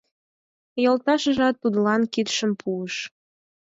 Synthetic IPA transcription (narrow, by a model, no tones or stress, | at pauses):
jolt̪ɑʃəʒɑt̪ːud̪lɑnkit̪ʃəmpʰuəʃ